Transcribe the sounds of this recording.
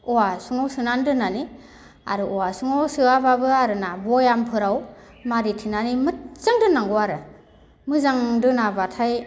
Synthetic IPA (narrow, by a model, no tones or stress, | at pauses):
ɔwasuŋawsɯnandɯnani | a̰ɾɯɔwasuŋawsɯababɯaɾɯnabɔjampʰɯɾaw | maɾitʰinanimɯt̚z̥aŋdɯnːaŋɡuaɾɯ | mɯzaŋdɯnabatʰaj